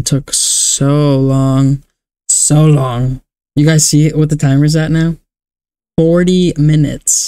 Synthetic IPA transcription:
tʰʊksoʊlɔ̃ŋ | soʊlɔ̃ŋ | jɨɡaɪz̥siʔwʌt̪̚ðɨtʰãɪ̃mɨzðɨtⁿnaʊ | fɔɹɾimɪnɨ̰ts

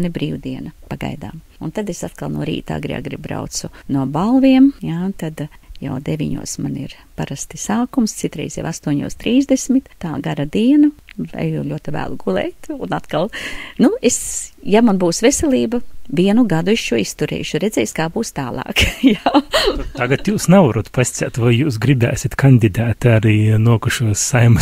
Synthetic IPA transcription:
nibɾiːwd̪iɛnɐpaɡa̰jd̪a̰ːm | unt̪ad̪esat̪kalˠnṵɔɾḭːt̪a̰ːɡɾḭa̰ɡɾib̚bɾa̰ʊt̪sʊnuɔbalˠviɛmjat̪ad̪ja̰wd̪evʲiɲṵɔsmanḭɾ | paɾast̪isaːkumst̪sit̪ɾɛ̰jzja̰ʋast̪uɔɲṵːst̪ɾiːzd̪esmɪt̪ːaːɡaɾad̪iɛnɐa̰jjuʎʲuɔt̪iʋæ̰ːlˠuɡulˠɛ̰ːjt̪unat̪kalˠnuesjamanbuːsʋesʲɛlʲiːbɐʋʲiɛnuɡad̪ueʃʃuɔist̪uɾɛ̰ːʃʊɾed̪zɛːjskaːbuːst̪aːlˠɑ̰ːkjaːt̪aɡat̪juːsnavuɾut̪pasʲt͡ssʲa̰ːt̪vajjuːsɡɾibæ̰ːsʲit̪kʰand̪ʲid̪æːt̪aɾiːnuɔkuʃuɔsːajm

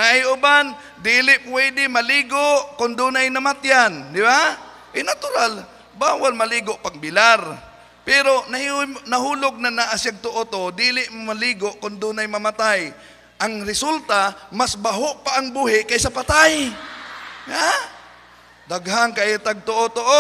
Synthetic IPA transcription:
nahɪʔʊban | d̪iːlɪʔpwɛd̪ɪmɐliːɡoʔkʊnd̪uːnajnɐmat̪jand̪ɪba | ʔɪnat̪ʊɾal | baːwalmɐliːɡoʔpaɡ̚bɪlaɾ | pɛɾonɐhnɐhuːlʊɡ̚nanaʔasjaɡ̚t̪ʊʔot̪oʔod̪iːlɪʔmmaliːɡoʔkʊnd̪uːnajmɐmat̪aj | ʔaŋɾɪsult̪amasbaɦoʔpaʔːŋbuːɦɪʔkajsɐpat̪aj | a | d̪aɡhaŋkaʔɛt̪aɡ̚t̪oʔot̪oʔo

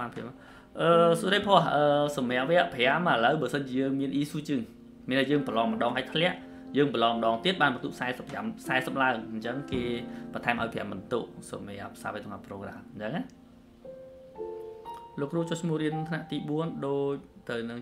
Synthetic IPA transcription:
ɓaːnpʰm | ʔəːsoɾəjpʰŏəhʔəːsɑmɛəp̚ʋɛəʔpʰɛəmələwɓaːsənt͡ɕiəjəːŋmiənʔiːsuːt͡ɕɨŋ | miənhajəːŋpəlɑːŋməɗɑːŋɦaəːt̪ʰlɛ̆əʔ | jəːŋpəlɑːŋməɗɑːŋt̪iət̪̚ɓaːnmət̪uʔsaɛsəpːamsaɛsəp̚laəŋɲt͡ɕəŋkeːɓɑt̪ʰaɛmʔa̰ɔjpʰɛ̆əmːənt̪uʔsɑ̰mɛəp̚sa̰ːʋiət̪oŋnaproːkra̰ːtɲt͡ɕəŋa | loːkːruət͡ɕoht͡ɕʰmuəhriənt̪ʰnaʔt̪iːɓuənɗoːc̚t̪ɨwnɨŋ

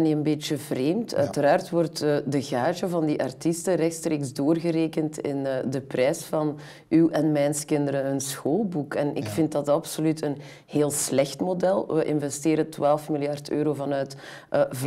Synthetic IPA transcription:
niənbeːt͡ʃəvreːmtœ̰ːtəɾaːrtʋɔrtədəɣaːʒəvɑndiʔɑ̰rtistəɾɛxtstreːkzdoːrɣəɾeːkəntɪ̰nəːdəprɛːsfɑn | ywɛnmɛnskɪndəɾəənsxoːlˠbukɛnɪ̰kfɪnt̚dɑtɑpsolytʰən | heːlˠslɛxtmodɛlˠʋəʔɪnvɛsteːɾətʋaːlˠfmilˠjɑrtø̰ːɾoːvɑnœɥt | ʔəv

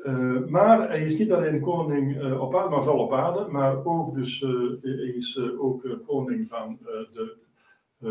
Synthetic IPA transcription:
maːrɛɪsnitaleːnkoːnɪŋɔpaːdəmanfɔlˠɔpaːdəmaroːk̚døsɛɪsoːkkʰːoːnɪŋfɔndə

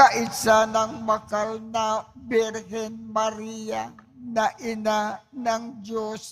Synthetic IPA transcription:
aʔɪsanɐŋmɐkalnabɪɾhɛnmaɾijanaʔɪnanɐŋd͡ʒos

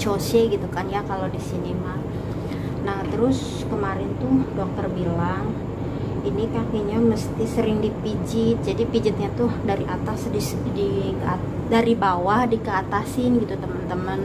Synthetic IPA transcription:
t͡ʃosɛɡit̪ukanjakalodisinima | naht̪əɾʊs | kəmaɾɪnt̪udok̚t̪ərbilaŋ | inikakiɲaməst̪isəɾɪŋdipid͡ʒɪt̪̚d͡ʒadipid͡ʒɪt̪̚ɲat̪udaɾiʔat̪asdi | dia | daɾibawahdikəat̪asɪnɡit̪ut̪əmənt̪əmən

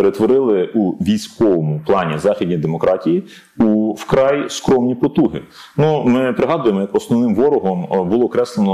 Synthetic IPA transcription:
eɾet̪ʋɔɾɪlˠɪuʋʲijsʲkɔʋɔmʊplˠɑnʲizɑxʲid̪ʲnʲijd̪emɔkɾʔɑtʲiji | uwkɾɑjskɾɔmnʲipɔt̪uɦɪ̰ | numɪpɾɪɦɑd̪ʊjemɔjɐkɔsnɔʋnɪmʋɔɾʊɦɔmbʊlˠɔːkɾɛslˠenɔ

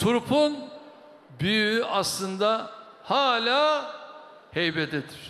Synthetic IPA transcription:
t̪ʰuɾpʰun | byjyyʔaslˠɯnd̪a | haːlʲaː | hejbɛd̪ed̪iɾ̥

